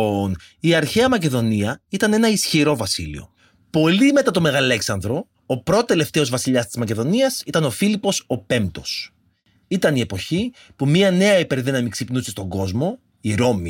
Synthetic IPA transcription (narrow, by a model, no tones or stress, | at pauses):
n | iɐɾçeɐmɐce̞ðo̞niɐit̪ɐne̞nɐisçiɾo̞vɐsḭlḭo̞̰ | po̞lime̞t̪ɐt̪o̞me̞ɣɐle̞ksɐnðɾo̞ː | pɾot̪ot̪e̞le̞ft̪e̞o̞zvɐsiʎɐst̪izmɐce̞ðo̞niɐsit̪ɐno̞filipo̞so̞pe̞mt̪o̞s | it̪ɐnie̞po̞çi | pumɲiɐne̞ɐipeɾðinɐmiksipnusest̪o̞ŋɡo̞zmo̞ | iɾo̞mi